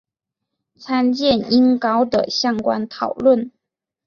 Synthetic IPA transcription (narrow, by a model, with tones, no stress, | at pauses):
t͡sʰa˥nt͡ɕjɛ˥˩ni˥nkɑ˥ʊd̪ə̰˨ɕjɑ˥ŋkwa̰˦nt̪ʰɑ˨˩ʊlwə˥˩n